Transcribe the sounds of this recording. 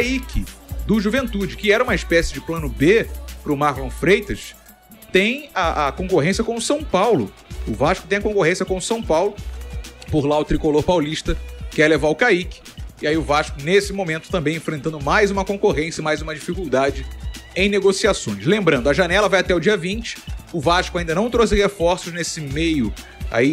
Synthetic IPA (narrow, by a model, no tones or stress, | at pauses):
kaikʰɪd̪ʊʒuvẽnt̪ud͡ʒɪkɪɛɾɐũmɐɪʃpɛsɪd͡ʒɪplɐ̃nʊbepɾʊmaɾlõfɾejt̪ɐʃ | t̪ẽj̃ɐʔɐkõkoɦẽsiɐkõʊsɐ̃w̃pawlʊ̰ | ʊvaʃkʊt̪ẽj̃ɐkõkoɦẽsjɐkõw̃ʊsɐ̃w̃pawlʊ | poɾlaʊt̪ɾikoloɾpawliʃt̪ɐkɛɾlevaʊkaikɪ̥iaiʊvaʃkʊnesɪmõmẽnt̪ʊ̥t̪ɐ̃mbẽj̃ẽfɾẽnt̪ɐ̃nd̪ʊmajzũmɐkõkoɦẽsjɐimajzũmɐd͡ʒifikuwd̪ad͡ʒɪẽj̃neɡosiasõj̃ʃlẽmbɾɐ̃d̪ʊɐʒanɛlɐvajat̪ɛʊd͡ʒiɐvĩt͡ʃɪ̥ʊvaʃkʊaĩd̪ɐnɐ̃w̃t̪ɾos̬ɪhefɔɾsʊʒnesɪmejʊa̰i